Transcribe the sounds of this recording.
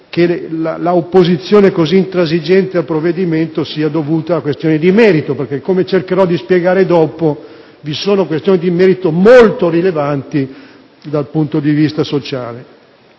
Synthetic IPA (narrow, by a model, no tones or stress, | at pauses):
kelalaopːozit̪sːjoːnekoziːnt̪ɾazid͡ʒɛnt̪ealpɾovːed̪iment̪osiːad̪ovuːt̪aːkwest̪joːnid̪imɛːɾit̪operkekːomet͡ʃerkeɾɔd̪ːispjeɡaːɾed̪ɔːpo | visoːnokwest̪joːnid̪imɛːɾit̪omolt̪oɾilevant̪i | d̪alpunt̪od̪ivist̪asot͡ʃaːle